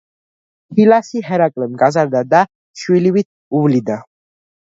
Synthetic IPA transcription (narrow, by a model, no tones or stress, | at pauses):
hʰilasiɦɛɾakʼlɛmɡazaɾd̪ad̪a | ʃwiliwit̪̚ʰ | uvlid̪a